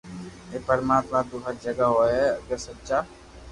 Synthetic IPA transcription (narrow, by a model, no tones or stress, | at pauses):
epəɾmaːt̪mad̪uɦəɾd͡ʒəɡaɦoɛɐɡəɾsətːʃa